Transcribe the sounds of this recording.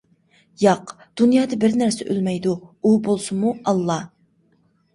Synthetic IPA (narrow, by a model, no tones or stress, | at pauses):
jɑq | d̪̥unjɑːd̪ɨbɪɾnæɾsɛ̰ʔølmɛjd̪uubolˠsumuɑlˠːɑ